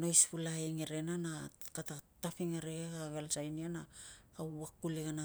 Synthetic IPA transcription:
no̞jspulaiŋeɾe̞nanakatatapiŋaɾeɡeɡaɡelsajnianakauakːuliɣana

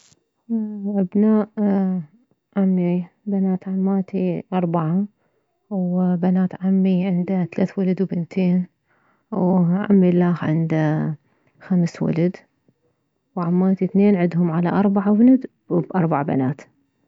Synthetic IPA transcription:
ʔabnaːʔ | ʕamːibanaːt̪ʕamːaːt̪iʔɑɾˤbaʕa | wbanaːt̪ʕamːiʕɪnd̪aθalaːθwalad̪wbɪnt̪ʰeːn | wʕa̰mːilaːxʕɪ̰nd̪a | xamswa̰lad̪ | wʕamːaːt̪iθneːnʕɪd̪ɦʊmʕalaʔɑɾˤbaʕabɪnad̪ | bʔɑɾˤbaʕba̰naːt̪

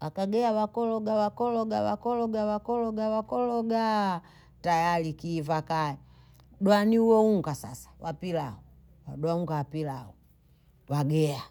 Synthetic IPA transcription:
wakaɡɛawakɔlɔɡawakɔlɔɡawakɔlɔɡawakɔlɔɡawakɔlɔɡa | tajalikivakaɛ | ɗwaniuwɔuŋɡasa̰sḁwapilaɔ | waɗwauŋɡawapilaɔ | waɡɛa

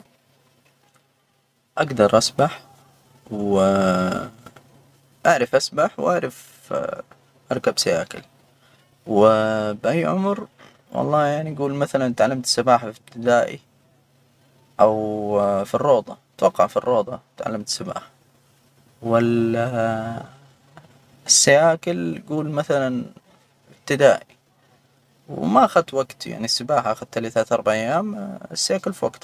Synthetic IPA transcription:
ʔaɡd̪ɑɾˤʔasbaħ | w | ʔaʕɾˤɑfʔasbaħwʔaʕɾˤɑf | ʔɑɾˤkabsajaːkɪ̰l | wɪbʔajːʕʊ̰mɾ | wʔɑ̰lˤːɑːjaʕniaɡuːlmaθalant̪ʕalːamt̪sabaːħafib̚t̪ɪd̪aːʔḭ | ʔawfirːoːd̪ˤɑ | t̪wɑqːɑʕfirːoːd̪ˤɑt̪ʕa̰lːamt̪sɪba̰ːħa | wɪ | sːajaːkɪlɡuːlmaθalan | ɪb̚t̪ɪd̪aːʔi | wmaʔaxad̪̚t̪waɡt̪ja̰ʕnisɪbaːħaʔaxad̪t̪aliθat̪ʔɑɾˤbaʕʔajːaːmɪsːajaːkɪlfiwaɡt̪

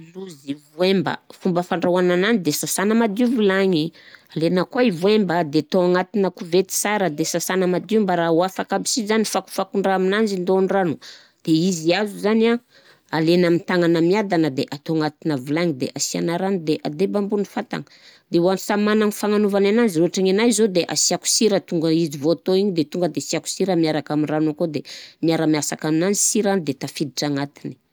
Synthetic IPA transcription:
luzivuembə̰fumbəfaɳɖ͡ʐawanananid̪esasanəmad̪uvilaɲialenəkaivuembəd̪et̪oaŋat̪inəkuvet̪i̥saɾəd̪esasanəmad̪umbaɾauafakabisizanifaku̥fakuɳɖ͡ʐaaminand͡ʒind̪onɖ͡ʐanu | d̪̥eiziazuzana | alenamint̪aŋanəmiad̪anəd̪eʔat̪oŋat̪inəvilaŋid̪ḛʔasianaɾanid̪eʔa̰d̪ebambunifat̪a̰ŋə̥ | d̪ewansamanaŋifaŋanuvanananziroaʈ͡ʂaŋenajzod̪eʔa̰siaku̥siɾət̪uŋɡəizivot̪oiɲid̪et̪uŋɡəd̪esiaku̥siɾəmiaɾakaminranokod̪emiaɾəmiasakaminand͡ʒi̥siɾanid̪et̪afid̪iʈ͡ʂaŋat̪ini̥

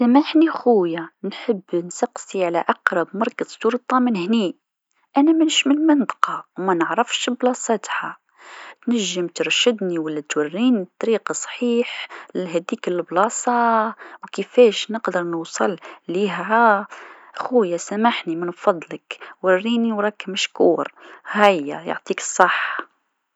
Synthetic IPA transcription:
sæmaħnixujanħəbːnsɑqsiʕalæʔɑqɾˤɑbmɑɾˤkɑzsuɾt̪ˤɑmənhni | ʔænæmənʃməlmənt̪ˤqɑwmænəʕɾəfʃblɑsˤɑt̪ha | t̪næʒːəmt̪əɾˤʃəd̪niwəlːæt̪wærːiːnit̪ˤːɑɾiqɑsˤħiːħlɦæd̪ikəlblɑsˤɑwkəfæʃnəqd̪əɾˤnusˤɨlliɦææ | xujæsæmaħnimənfɑd̪ˤːləkwɑrːiniwɾˤɑkmæʃkuːɾhæjːæ̰jo̰ʕt̪ˤikə̥sˤːɑħː

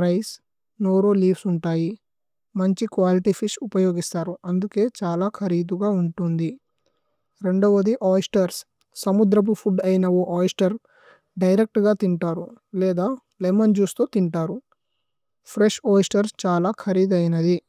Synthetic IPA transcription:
ɾɐjs | noːɾoːliːpsuɳʈaːji | mɐɲt͡ʃikʋaːliʈipʰiʃupɐjo̞ːɡist̪aːɾuɐnd̪uke̞ːt͡ʃaːlaːkʰɐɾiːd̪uɡaːuɳʈund̪i | ɾe̞ɳɖɐʋɐd̪iʔaːjsʈɐɾs | sɐmud̪ɾɐp̬upʰuɖɐjnɐoʔaːjsʈɐɾ | ɖɐjɾek̚ʈɡaːt̪iɳʈaːɾulɛːd̪aː | lemɐnd͡ʒuːst̪oːt̪iɳʈaːɾu | pʰɾeʂoːjsʈɐɾst͡ʃaːlaːkʰɐɾiːd̪ɐjnɐd̪i

